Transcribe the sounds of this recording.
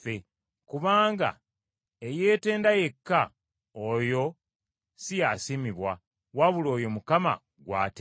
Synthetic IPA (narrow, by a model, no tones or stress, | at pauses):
e | kuβaːŋɡa̰ | ejeːte̞ːndaje̞kːa | ojo̞ | sijasimiβwa | waβulo̞ːjo̞mukama̰ | ɡwa̰ːte